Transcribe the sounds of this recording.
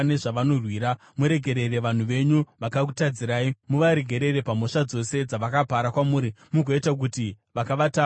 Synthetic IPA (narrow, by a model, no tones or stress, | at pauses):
ne̞ʐaʋano̞rwiːɾa | muɾe̞ɡʱe̞ɾe̞ɾe̞ʋan̤uʋe̞ɲuʋakakutad͡ziɾaːimuʋaɾe̞ɡʱe̞ɾe̞ɾe̞pamoʂad͡zo̞se̞d͡zaʋakapaɾakwamuːɾimuɡʱoitak̬uti | ʋakaʋata